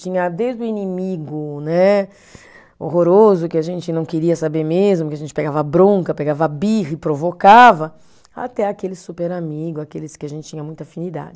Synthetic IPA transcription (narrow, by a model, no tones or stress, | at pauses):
t͡ʃĩɲɐd̪ejzd̪ʊinimiɡʊnɛ | ohoɾozʊkɪaʒẽnt͡ʃɪnɐ̃w̃keɾiɐsabeɾmezmʊkɪaʒẽnt͡ʃɪ̥peɡavɐabɾõŋkɐpeɡavabihɪpɾovokavɐ | a̰t̪ɛakelɪsupeɾamiɡʊzakelɪskɪaʒẽnt͡ʃɪ̥t͡ʃĩɲɐmũj̃t̪afĩnid̪a̰d͡ʒɪ